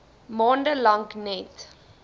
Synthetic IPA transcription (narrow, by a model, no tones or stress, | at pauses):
mɑndəlaŋknɛt